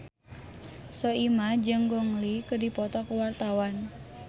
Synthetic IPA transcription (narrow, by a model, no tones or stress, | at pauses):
sɔimad͡ʒəŋɡɔŋlikədipɔt̪ɔkəwart̪awan